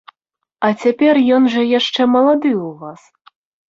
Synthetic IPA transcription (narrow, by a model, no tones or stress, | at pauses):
ɐt͡sʲapʲɛrjɔnʐɐjaʂt͡ʂɛmɐlˠad̪ɨwvas